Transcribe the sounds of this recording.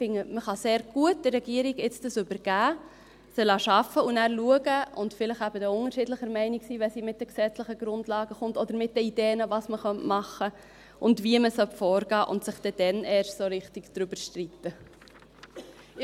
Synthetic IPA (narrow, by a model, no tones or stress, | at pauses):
fɪŋːəməχɑseːɾɡ̥uət̚d̥ərːɛɡ̥iːəɾiɡɪt͡sd̥əsʏbəɾɡ̥æː | sɛlɑːʃɑfəunæːɾluəɡəʔʊndfɪləχæb̥ədəʊŋəɾʃɪdləχəɾmɛɪniksiːvɛsiːmɪt̚d̥ɛksɛt͡sləχəɡ̥ɾʊndlɑːɡəχʊntɔd̪əɾmɪt̚dəideːnəvɑsməχœntmɑχə | ʔʊndviəməsœpfɔːɾɡɑːʔʊ̰ntsɪχd̥ɛd̥ɛnʔɛːɾʃtsoːɾɪχtɪɡ̥d̪̥ɾybəɾʃtritːə